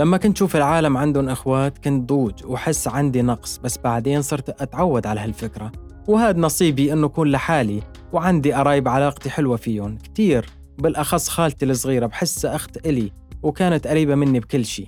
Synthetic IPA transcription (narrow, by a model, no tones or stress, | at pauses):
lamːakʊɪnt̪ʃuːfɪlʕaːlamʕand̪ʊnʔɪxwaːt̪kʊnt̪̚d̪ˤuːd͡ʒwħɪsːʕand̪inɑqsˤbasːbaʕd̪eːnsˤɨɾt̪ʔat̪ʕawːad̪ʕalahalfɪkɾa | whaːd̪nɑsˤiːbiʔɪnːuʔakuːnlaħaːli | wʕand̪iʔɑɾˤɑːjɪbʕalɑːqt̪iħɪlwafiːʊnkt̪iːɾ | bɪlʔɑxɑsˤːxaːlt̪ilɨsˤɣiːɾabħɪsːʔaxt̪ʔɪli | wkaːnat̪ʔaɾiːbamɪnːibkɪlːʃḭː